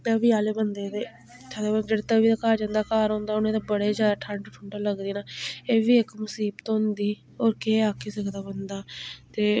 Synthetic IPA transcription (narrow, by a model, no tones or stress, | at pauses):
t̪əbiːaːleːbənd̪eːd̪eː | t̪ʰad̪aːbəd͡ʒeːɽeːt̪əbiːd̪aːkaːɾd͡ʒãːnd̪aːkaːɾɦõːnd̪aːʊnẽːt̪eːbəɽeːzjaːd̪aːʈʰəɳʈʈʰʊɳʈaːləɡd̪iːnaːeːʋiːɪkmʊsiːbt̪õɦnd̪iː | oːɾkeːaːkʰeːsəkʰd̪aːbənd̪aːt̪eː